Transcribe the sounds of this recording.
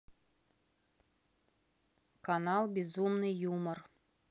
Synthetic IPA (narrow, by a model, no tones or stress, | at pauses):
kanɑlˠbʲezumnɨjumə̆r